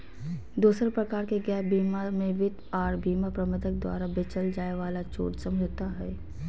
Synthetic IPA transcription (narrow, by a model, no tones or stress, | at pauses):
d̪uːsɾepɾəkaːɾkeɡɛːbiːmamẽʋɪt̪aːɾbʱiːmapɾəmət̪ək̚d̪wa̰ːɾabɪt͡ʃəld͡ʒaːeʋaːlat͡ʃo̰ːɾsə̃md͡ʒʱt̪aɦɛː